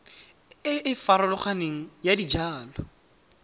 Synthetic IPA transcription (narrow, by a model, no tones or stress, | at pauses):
ɪɪfaɾʊlɔχaneŋ̩jadid͡ʒaːlɔ